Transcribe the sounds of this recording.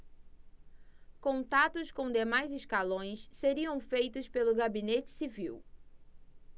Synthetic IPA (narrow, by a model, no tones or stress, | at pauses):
kõnt̪at̪ʊskõd̪emajzɪskalõj̃sseɾiɐ̃w̃fejt̪ʊspelʊɡabinet͡ʃɪ̥siviw